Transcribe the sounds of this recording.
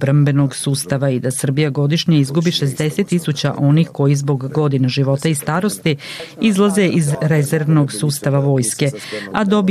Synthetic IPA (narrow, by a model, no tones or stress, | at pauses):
bɾambe̞no̞ɡsuːst̪aʋaid̪asr̩bijaɡo̞d̪iʃɲaizɡubiʃe̞zd̪e̞se̞t̪ːisut͡ɕa̰ʔo̞nixko̞jizbo̞ɡːo̞d̪inaʒiʋo̞t̪aist̪aːɾo̞st̪iizlˠazeʔizɾezeɾʋnoɡsuːst̪aʋaʋo̞ːjske̞ad̪o̞b